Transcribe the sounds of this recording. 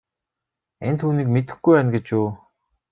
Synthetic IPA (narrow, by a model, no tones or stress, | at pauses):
ent̪ʰuːniːkmet̪ɘ̆xɡujpæːnɡet͡ɕuː